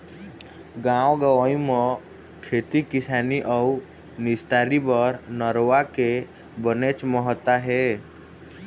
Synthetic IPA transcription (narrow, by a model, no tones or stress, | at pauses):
ɡãwɡəʋaĩmə | kʰet̪ikɪsaniʔɔu | nɪst̪aɾibəɾnəɾoake | bənet͡ʃməɦət̪aɦe